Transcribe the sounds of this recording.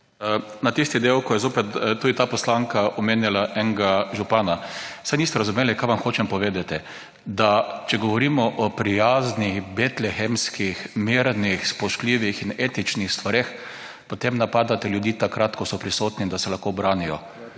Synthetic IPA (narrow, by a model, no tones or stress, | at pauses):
nat̪ist̪id̪ewkɔjɛzoːpɛt̪t̪ːud̪it̪aːpɔslaŋkaʔɔmeːnjalaʔɛŋɡaʒupaːnasajniːst̪ɛɾazʊmeːlikajʋamxoːt͡ʃɛmpɔʋeːd̪at̪ɛ | d̪at͡ʃɛɡɔʋɔɾiːmɔʔɔpɾijaːznixbet̪lɛxɛmskixmiɾnixspɔʃkliːʋixineːt̪it͡ʃnixst̪ʋaɾex | pot̪emnapaːd̪at̪ɛljʊd̪jiːt̪akɾat̪kɔsɔpɾisoːt̪nid̪asɛlaxkobɾaːnijɔ